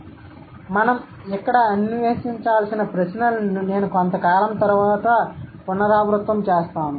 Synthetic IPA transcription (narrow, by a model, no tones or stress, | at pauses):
mɐnɐm | ɛkːɐɽɐɐnʋeːsiɲt͡ʃaːlsinɐpɾɐsnɐlne̞ːnukont̪ɐkaːlɐmt̪ɐɾuʋaːt̪ɐpunːɐɾaːbɾut̪ʋɐmt͡ʃeːst̪aːnu